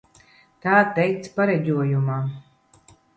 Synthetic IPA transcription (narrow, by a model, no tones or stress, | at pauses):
t̪aːt̪ɛjt̪spaɾɛd͡ʑʲuɔjumaː